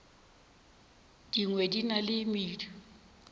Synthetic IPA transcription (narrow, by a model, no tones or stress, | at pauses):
d̥iŋwedinalɪmiːdʰu